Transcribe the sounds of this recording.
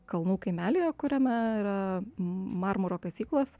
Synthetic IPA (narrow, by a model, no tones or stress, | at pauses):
kɐlˠnuːkɐɪmʲæːlʲejoːkʊɾʲɛmʲɛiɾɐ | mɑɾmʊɾoːkɐsʲiːklˠoːs